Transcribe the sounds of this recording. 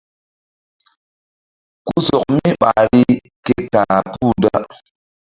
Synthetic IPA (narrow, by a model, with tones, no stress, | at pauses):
ku˦sɔ˨k̚mi˦ɓa˨ɾi˦ | ke˦ta˨pu˦˨da˦